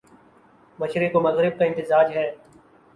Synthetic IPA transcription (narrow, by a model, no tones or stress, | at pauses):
mɐʃɾekomɐɣɾɪb̚kaɪ̃nt̪ɪzaːd͡ʒɦɛː